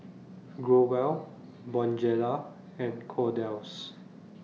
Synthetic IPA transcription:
ɡɹowɛl | bɔ̃nd͡ʒɛla | ɛ̃nkʰɔdɛws

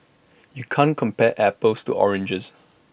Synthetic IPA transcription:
jukʰãnkʰɔ̃mpɛʔɛpəlstṵʔɔ̰ɹɛ̃nd͡ʒəs

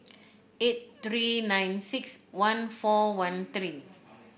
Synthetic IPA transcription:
et̚t̪ɹinãjnsikswãnfɔwãnt̪ɾi

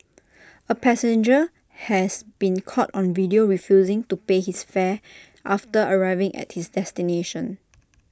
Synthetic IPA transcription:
əpʰɛsɛ̃nd͡ʒə | hɛsbĩnkʰɔtɔ̃nvidioɹifjuzɪ̃ŋtupehisfɛ | ʔaftəəɹaɪvɪ̃ŋʔɛ̰t̚hisdɛstineʃə̃n

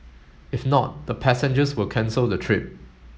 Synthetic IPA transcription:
ɪfnɔt̚dəpʰæsɛ̃nd͡ʒəswɪlkʰɛ̃nsəldətʰɹɪp̚

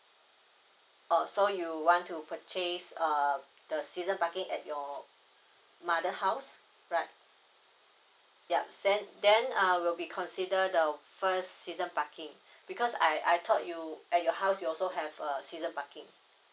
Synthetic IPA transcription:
ʔasojuwɔ̃ntʰupʰət͡ʃesʌ | d̥əsizə̃npakĩŋɛ̰t̚jɔ | madəhaʊs | ɹaɪt̚ | jadɛ̃ndɛ̃nawilbikʰɔ̃nsidədəfəssizə̃npakĩŋ | b̥ikʰɔsa̰jʔa̰jtʰɔt̚juʔɛt̚jɔhaʊsjuɔlsoɦɛvəsizə̃npakɪ̃ŋ

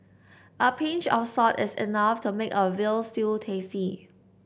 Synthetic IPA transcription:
ʔəpʰẽnt͡ʃɔfsɔtɪsḭnaftʰumekəvɪlstiltʰesi

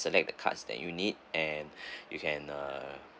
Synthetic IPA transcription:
səlɛk̚dəkʰa̰tsdɛ̰tjunid̚ʔɛnjukʰɛ̃nʌ

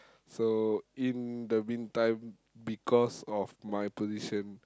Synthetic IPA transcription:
soĩndəmĩntãɪ̃m | bikʰɔsɔfmajpoziʃə̃n

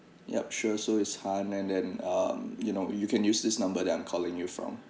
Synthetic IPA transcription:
jɛ̰p̚ʃusoɪtshãnɛ̃ndɛ̃nʌmjunoʊjukʰɛ̃njusdɪsnãmbədɛtãɪ̃mkʰɔlɪ̃ŋjufɹɔ̰̃m

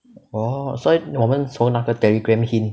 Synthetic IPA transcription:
ɔsɔdmɔmə̃nsonak̚dət̪ɛliɡɹɛ̃mhin

